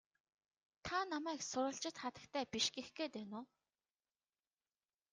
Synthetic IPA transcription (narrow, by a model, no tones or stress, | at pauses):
t̪ʰanamæːksʊɾə̆ɬt͡ɕɪ̆t̪χat̪ə̥̆kt̪ʰæːpiʃɡexɡeːt̪ænʊː